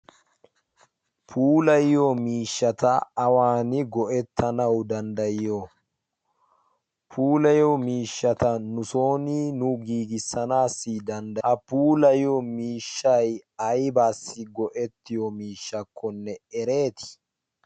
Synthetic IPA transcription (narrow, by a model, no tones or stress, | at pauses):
pʰuːlɐjomiːʃːɐt̪ɐːwaːnɪɡɔʔɛt̪ʰːɐnɐwd̪ɐnd̪ɐjɪjo | pʰuːlɐjomiːʃːɐt̪ɐnʊso̞ːniːnʊɡiːɡɪsːɐnaːsːid̪ɐnd̪ɐɐpuːlɐjomiːʃːɐjɐjbaːsːɪɡɔʔɛt̪ːɪjɔmiːʃːɐkʰːɔnːɛɛɾe̞ːt̪ɪ̥